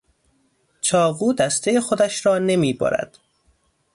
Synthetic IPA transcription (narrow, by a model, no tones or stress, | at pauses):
t͡ʃʰɒːɣuːd̪æst̪ʰejexo̞d̪æʃɾɒːne̞miːbɒ̰ːɾæ̰d̪̥